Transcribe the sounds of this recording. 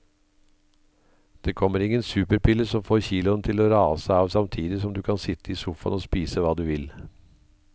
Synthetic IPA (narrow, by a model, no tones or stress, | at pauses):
d̪̥eːkʰɔmːəɾɪŋːənsʉːpəɾpʰɪləsɔmfoːɾçiːlʊnt̪ʰɪloːɾɑːsəɑːʋsɑmt̪ʰiːd̪ɪsɔmd̪ʉːkʰɑnsɪt̪ːəiːsufɑ̰noːspiːsəʋɑːd̪ʉːʋɪl